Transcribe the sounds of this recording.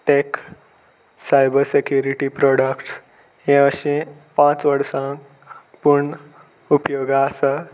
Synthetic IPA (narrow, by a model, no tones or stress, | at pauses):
ʈek | sajbəɾsekjuɾiʈipɾɔɽəkʈs | hẽəɕẽ | pãt͡sʋəɽsã | puɳ | upjoɡaːsa